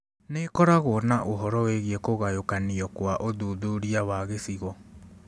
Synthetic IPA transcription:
nekɔɾaɣɔnaʔoɦɔɾɔweɣiɛkoɣajokaniɔkwaʔoðuðuɾiawaɣesiɣɔ

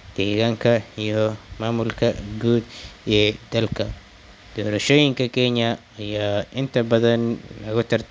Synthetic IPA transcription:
d̪̥ɛːɣaːŋkʰɐijɔmaːmʊlkʰɐɡuːd̪ɛd̪̥ɐlkʰɐ | d̪̥ɔːɾɐʃoːjɪŋkʰɐkʰɛɲɐ | ɐjaːʔɪnt̪ʰɐbɐðɐnlɐɣʊt̪ʰɐr

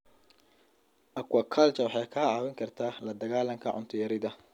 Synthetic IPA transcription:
ʔɐkwɐkʰalt͡ʃɐwɑħɑjkʰaːʕɑːwɪŋkʰɐrt̪ʰaːlɐd̪ɐɣaːlɐŋkʰɐʕʊ̰nt̪ʰʊjɐɾɪðɐ

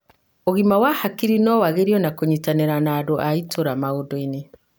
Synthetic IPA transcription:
oɣimawahakiɾinɔwaɣeɾiɔnakoɲitaneɾanaːdoʔaitʰoɾamaodɔine

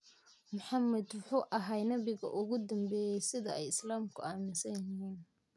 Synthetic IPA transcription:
mʊħɑmɐd̪wʊħuːʔɐɦajnɐβɪɣɐ̰ʔʊɣʊd̪ɐmbɛːjɛjsɪðɐɛjɪslaːmkʰʊ̰aːmɪsɐjɦiːn

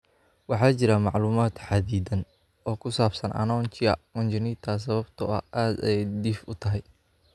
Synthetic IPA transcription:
wɑħɑːt͡ʃɪɾɐmɑʕluːmaːd̪ħɑd̪iːd̪ɐn | ɔːkʰʊsaːbsɐnʔɐ̰nɔːnt͡ʃɪɐ̰kɔnt͡ʃɐniːt̪ʰas̬ɐβɐbt̪ʰʊɐ̰ʔaːd̪ɛɛjd̪ifʊt̪ʰɐɦɛj

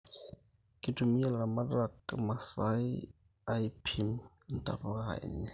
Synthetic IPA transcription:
kʼɪtʰʼʊmiɛlamarakmasaɪ | aipʰim | n̩tʼa̰fʊɣa̰ɲɛ

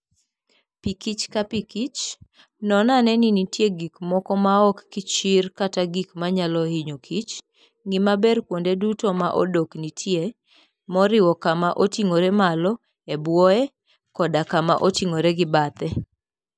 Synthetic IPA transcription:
pikit͡ʃkapikit͡ʃ | nɔnanɛninitjeɡikmɔkɔmaɔkːɪt͡ʃɪrkataɡikmaɲalɔhiɲokʰit͡ʃ | ŋɪmabɛrkwondedutomaʔo̰doknitʰje | mɔɾɪwɔkamaʔotiŋoɾemalɔ | ebwɔɛ | kɔdakama̰ʔotiŋoɾɛɡɪbat̪ɛ

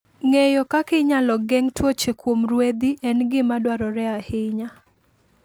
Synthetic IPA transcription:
ŋejɔkakɪɲalɔɡɛŋtwot͡ʃekwomrwed̪iʔɛnɡɪmadwaɾɔɾɛahɪɲa

